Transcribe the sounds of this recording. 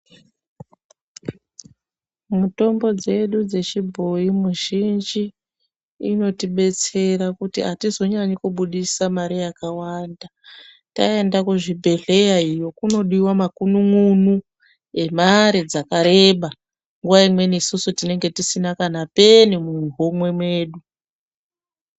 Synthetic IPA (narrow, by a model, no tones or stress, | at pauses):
muto̞mbo̞d͡ze̞ɗud͡ze̞t͡ʃibʱo̞imuʒind͡ʒiː | no̞tiɓe̞t͡se̞ɾakutiɦatizo̞ɲaɲikuɓuɗisamaɾijakawanda | tae̞ndakuʐibʱe̞ɮe̞jaijo̞kuno̞ɗiwamakunumunu | e̞maɾid͡zakaɾe̞ɓa | ŋɡuwaimwe̞niːsusutine̞ŋɡe̞tisinakanape̞nimuɦomwe̞mwe̞ːɗu